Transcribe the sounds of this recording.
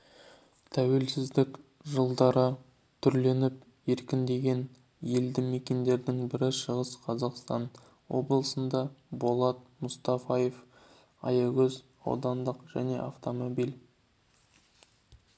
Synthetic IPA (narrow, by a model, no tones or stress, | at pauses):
t̪ʰæwe̞lsɪzd̪ɪk | ʒəlˠd̪ɑɾə | t̪ʰʏɾle̞nɪp̚ | je̞ɾkʲɪnd̪e̞ɡʲe̞n | je̞ld̪ɪmekʲe̞nd̪e̞ɾd̪ɪŋbɪɾɪʃəʁəsqʰɑzɑqst̪ɑn | wo̞̰blˠəsənd̪ɑbo̞lˠɑt̪̚mʊst̪ɑfɑjef | ɑ̰jɑɡɵz | ɑ̰wd̪ɑnd̪əqʒ̥æne̞̰ʔaft̪o̞mo̞bijl